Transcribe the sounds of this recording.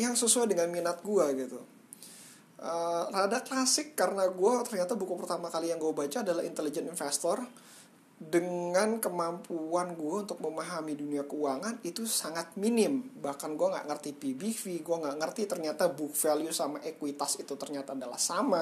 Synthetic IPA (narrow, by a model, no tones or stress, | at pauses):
jaŋsəsuajdəŋanminat̪̚ɡuaɡit̪u | ʔəradaklasɪkːaɾənaɡuat̪ərɲat̪abukupərt̪amakalijaŋɡuabat͡ʃaːdalahḭnt̪elid͡ʒɛninfɛst̪ɔr | dəŋankəmampʰuanɡuaunt̪ʊk̚məmaɦamiduniakəuaŋanit̪usaŋat̪̚minɪmbahkanɡuaŋɡa̰ʔŋərt̪ipibifiɡuaŋɡaʔŋərt̪it̪ərɲat̪abukfelijusamaʔekwit̪asit̪ut̪ərɲat̪aːdala̰hsama